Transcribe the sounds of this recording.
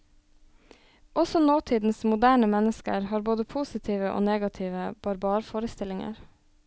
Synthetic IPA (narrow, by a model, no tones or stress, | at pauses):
ʔɔsɔnoːt̪ʰiːd̪n̩smʊd̪æːɳəmɛnəskə̰ɾhɑːɾboːd̪əpʰuːsɪt̪ʰiːʋəʔo̰ːneːɡɑt̪ʰiːʋəb̥ɑɾbɑːɾfoːɾəst̪ɪlɪŋə̰ɾ